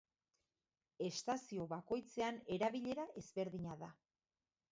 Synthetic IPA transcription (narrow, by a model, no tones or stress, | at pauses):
e̞st̪asio̞βako̞jt͡se̞ane̞ɾaβiʎe̞ɾaʔe̞zβe̞ɾðiɲaða